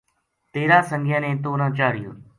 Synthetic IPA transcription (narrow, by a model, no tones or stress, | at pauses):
t̪eːɾãːsəŋɡʱjə̃ːnẽːt̪̬oːnãːt͡ʃaːɽɪjo̰ːn